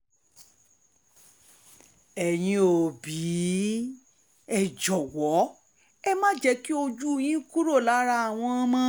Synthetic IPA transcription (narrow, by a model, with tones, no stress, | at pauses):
ɛ˨j̃ĩ˧o˨bi˨˦ | ɛ˨d͡ʒɔ˨wɔ˨˦ | ɛ˦mã˦d͡ʒɛ˧˦ki˦o˧d͡ʒu˦˨j̃ĩ˦ku˦ɾo˦˨la˨˦ɾa˧a˨w̃ɔ̃˧˦mã˦